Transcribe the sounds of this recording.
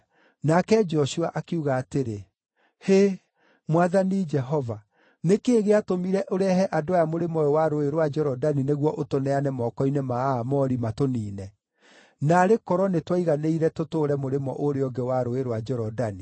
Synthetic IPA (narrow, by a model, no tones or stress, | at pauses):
nakɛd͡ʒɔʃuaʔakeuɣaːteɾe | he | mwaðanid͡ʒɛɦɔva | nekeːɣeatomiɾɛʔoɾɛhɛʔadoajamoɾemɔɔwaɾoeɾowad͡ʒɛɾɔdanineɣwɔʔotonɛanɛmɔkɔinemaːmɔɾimatoniːnɛ | naɾekɔɾɔnetwaiɣaneiɾɛtotoːɾɛmoɾemɔ̰ʔoɾeɔŋɡɛwaɾoeɾwad͡ʒɛɾɔdani